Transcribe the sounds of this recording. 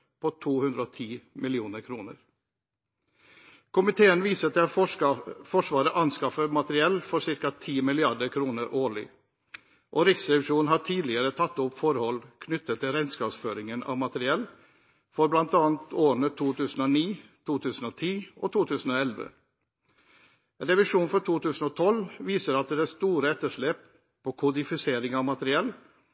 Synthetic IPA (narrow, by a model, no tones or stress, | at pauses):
pʰɔt̪ʰuːhʉnd̪ɾəɔːt̪ʰiːmɪlɪuːnəɾkʰɾuːnə̰ɾ | kʰʊmɪt̪ʰeːənʋiːsət̪ʰɛɑ | fɔʂʋɑːɾəʔɑnskɑfəmɑt̪əɾɪɛlfɔɾʂɪɾkɑt̪ʰiːmɪlɪɑɖəɾkʰɾuːnəɾʔoːɭɪ̰ | ʔoːɾɪksɾɛʋɪʂuːnnɦhɑʈʰiːlɪəɾət̪ʰɑt̪ːʊpfɔɾhɔlkʰnʏt̪ːət̪ʰːɪlɾɛnskɑːpsføːɾɪŋənɑ̰ʋmɑt̪əɾɪɛlː | fɔɾblɑnt̪ɑːnt̪oːɾəɳət̪ʰuːt̪ʰʉːsn̩ɔniːt̪ʰuːt̪ʰʉːsn̩ɔt̪ʰiːʔɔt̪ʰuːt̪ʰʉːsn̩ɔɛlʋə̰ | ɾɛʋɪʂuːnfɔʈʰuːt̪ʉːsn̩ɔt̪ʰɔlʋiːsəɾɑt̪̚d̪ɛæst̪uːɾəɛt̪ːəʂɭeːp̚ | pʰɔkʰʊd̪ɪfɪseːɾɪŋɑʋmɑt̪əɾɪɛlː